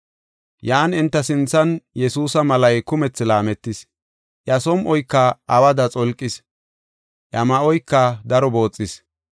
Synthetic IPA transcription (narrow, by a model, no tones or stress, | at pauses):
jaːnɪnt̪ːɐsɪnt͡sːɐnjɛsuːsɐmɐlɐjkʊmɛt͡sːɪlaːmɛt̪ːɪs | ʔɐsɔmʔɔjkːɐːwɐd̪ɐt͡sʼɔlkʼːɪs | ʔɐmɐʔɔjkːɐd̪ɐɾɔbo̞ːt͡sʼːɪs